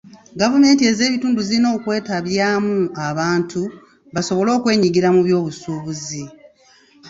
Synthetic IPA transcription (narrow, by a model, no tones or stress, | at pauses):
ɡavume̞ːntie̞ze̞ːβituːnduzilino̞ːkwe̞ːtaβjaːmuaβaːntʰu | βaso̞βo̞lo̞ːkwe̞ːɲiɡiɾamuβjo̞ːβusuːβuzi